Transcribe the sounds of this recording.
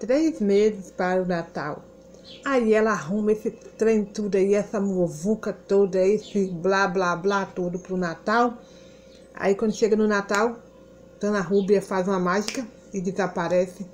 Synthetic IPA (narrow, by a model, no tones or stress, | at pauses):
t̪ɾezmezɪspaɾunat̪a̰w | aiɛlɐaɦũmɐesɪt̪ɾẽj̃t̪ud̪ɐiɛsɐmovukɐt̪od̪ɐesɪblablablat̪od̪ʊpɾunat̪aw | a̰ikwɐ̃ndʊʃeɡɐnʊnat̪aw̃ | t̪ɐ̃w̃nɐɦubiɐfazũmɐmaʒikɐ | id̪ezapaɾɛsɪ